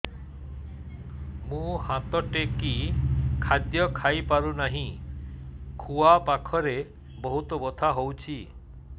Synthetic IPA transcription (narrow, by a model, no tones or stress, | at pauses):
mũhãt̪ɔʈekikʰad̪jɔkʰajpaɾunaɦĩ | kʰuapakʰɔɾe | bɔɦut̪ɔbɔt̪ʰaɦowt͡ʃʰi